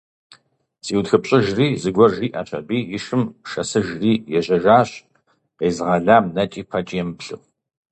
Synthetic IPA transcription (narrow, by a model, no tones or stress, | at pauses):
z̥iːwtxɨpɕʼɪʒriːzɨɡʷɔrʒiːʔɐɕɐ̰biːjɪʂɨmʃɐsɨʒriːjɛʑɐʒaːɕ | qeːzɨʁɐɮaːmnɐt͡ʃʼiːpʰɐt͡ʃʼːjɛmpɬɨ̰χ